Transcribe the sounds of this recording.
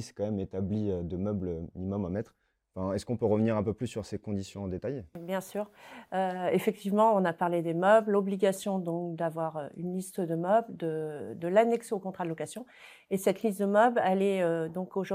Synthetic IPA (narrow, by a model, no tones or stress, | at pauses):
sɛ̥kɑ̃mɛmet̪abliød̪əmœbløminimɔmɑ̃mɛt̪χ | fɛ̃ɛskɔ̃pøʁəvniʁɛ̃pøplysːyʁsekɔ̃d̪isjɔ̃ɑ̃d̪et̪ajbjɛ̃syːʁøefɛk̚t̪ʰivmɑ̃ɔ̃napaʁled̪emœblɔbliɡʲasjɔ̃d̪ɔ̃kd̪avwaʁøy̰nlist̪əd̪əmœbld̪əd̪əlanɛkseokɔ̃t̪χad̪əlɔkasjɔ̃ | esɛt̪list̪̚d̪əmœblɛlɛød̪ɔ̃koʒu